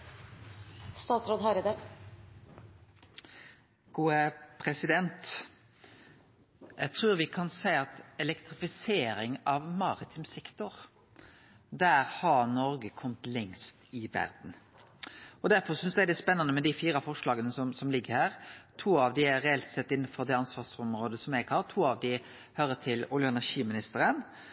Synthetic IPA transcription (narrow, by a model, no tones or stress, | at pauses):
st̪ɑːt̪sɾoːd̪ɦɑɾəd̪ə | ɡ̥uːəpʰɾɛsɪd̪ɛnt̪ | jæ̰ɪt̪ʰɾʉːɾʋɪkʰɑnsæɪɑt̪ɛlɛkt̪ɾɪfɪseːɾɪŋɑʋmɑɾɪt̪ʰɪmsɛkt̪ʊɾ | d̪æːɾhɑɾnɔɾɡəkʰɔmt̪lɛŋst̪ɪʋæ̰ɾd̪n̩ | ɔd̪æɾfɔsʏnsd̪ɛd̪ɛspɛnːɑnəmɛd̪ɪfiːɾɑfɔʂlɑːɡənəsɔmsɔmlɪɡːəɾhæːɾt̪ʰuːɑʋd̪ɪæɾɛɛlt̪sɛt̪ːɪnːfɔɾd̪ɛːɑnsʋɑːsɔmɾoːd̪əsɔmɛɡhɑɾt̪ʰuːɑʋd̪ɪ | høːɾət̪ʰɪluːljəɛnæʂiːmɪnɪst̪əɾən